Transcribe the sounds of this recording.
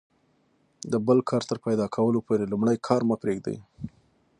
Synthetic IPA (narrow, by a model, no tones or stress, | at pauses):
d̪əbəlkʰɑɾt̪əɾpajd̪ɑkʰawəlopoɾelumɽajkʰɑɾmapɾeɡd̪a̰j